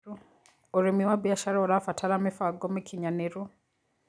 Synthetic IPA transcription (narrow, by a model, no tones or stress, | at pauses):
u | oɾemiwabjaʃaɾaoɾafatʰaɾamifaɡomikʰiɲaneɾu